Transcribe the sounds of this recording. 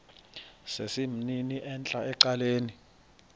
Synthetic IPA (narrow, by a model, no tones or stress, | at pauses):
sesim̩niniʔɛnt͡ɬʼaɛǀaleːni